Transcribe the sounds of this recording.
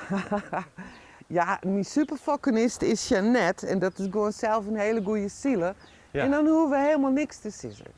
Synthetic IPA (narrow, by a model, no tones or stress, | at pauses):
jamisypərfokənɪstɪsjanɛtʰɛndɔtɪsɡoənsɛlˠfənheːləɡujəsilə | ɛndɔnhuəʋəheːlˠmalˠnɪkstəsɪ̰zə̰